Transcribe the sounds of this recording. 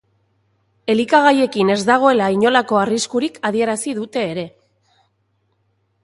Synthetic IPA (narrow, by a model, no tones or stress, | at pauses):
e̞likaɣ̞aje̞kine̞zd̪aɣ̞o̞e̞laiɲo̞lako̞ariskuɾikʰaðie̞ɾasiðut̪e̞ːɾe̞